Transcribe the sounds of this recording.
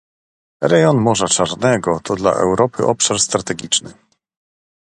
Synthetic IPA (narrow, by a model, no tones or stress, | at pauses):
ɾɛjɔnmɔʐat͡ʂaɾnɛɡɔt̪ʰɔd̪la̰ʔɛ̰wɾɔpɘʔɔpʂaɾst̪ɾat̪ɛɡʲit͡ʂnɘ̰